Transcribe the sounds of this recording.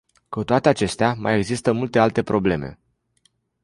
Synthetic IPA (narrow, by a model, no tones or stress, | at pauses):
kut̪oat̪e̞at͡ʃe̞st̪eamaje̞ɡzist̪əmult̪e̞alt̪e̞pɾo̞ble̞me̞̰